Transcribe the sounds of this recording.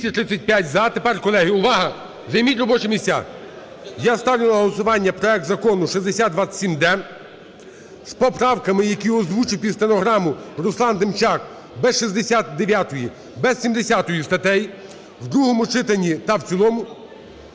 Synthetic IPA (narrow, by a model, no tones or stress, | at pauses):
sʲɐt̪ɾɪsʲɐt̚ʲpʲjatʲzɐt̪epɛrkɔlˠɛɦɪʊʋɑɦɐ | zɐjmʲitʲɾɔbɔt͡ʃɪmʲisʲtʲa̰ | jast̪ɑwʲɪlˠɐɦɔlˠɔsʊʋɑnʲːɐpɾɔɛk̚t̪zɐkɔnʊʃizd̪esʲad̪d̪ʋḁsʲimd̪ɛ | spɔpɾɑwkɐmɪjɐkʲiɔzʋut͡ʃɪwpʲist̪enɔɦɾɑmʊrʊslˠɑnd̪ɪmt͡ʃɑk | bɛʃizd̪esʲat̪̚d̪eʋʲjat̪ɔji | bɛsʲsʲimd̪esʲat̪ɔjist̪ɐt̪ɛji | wd̪ɾuɦɔmʊt͡ʃɪt̪ɐnʲːit̪ɐw̪t͡sʲilˠɔmʊ